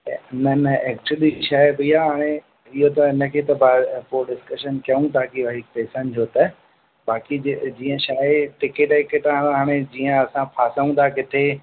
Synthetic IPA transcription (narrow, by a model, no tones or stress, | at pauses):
ɪnəneːkʈəɗiʃaːɪbijaɦaːɽ̃e | ɪɦot̪ɐɪnəkʰeːt̪ɐbaːpoɖɪskəʃənkjɐũt̪aːkiʋɐɦɪk̚pɛːsənd͡ʑoːt̪ɐ | baːkid͡ʑd͡ʑiːə̃ʃaːeʈɪkeʈɦekeʈãːaɦaːɽ̃ed͡ʑiːə̃ɐsãpʰaːsaũnd̪ʰakɪt̪ʰe